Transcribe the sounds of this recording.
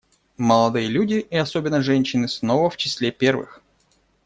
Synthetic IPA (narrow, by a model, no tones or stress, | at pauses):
məlˠɐd̪ɨjəlʲudʲɪiɐsobʲɪnːəʐɛnʲɕːɪnɨsnovəft͡ɕɪsʲlʲepʲervɨ̰x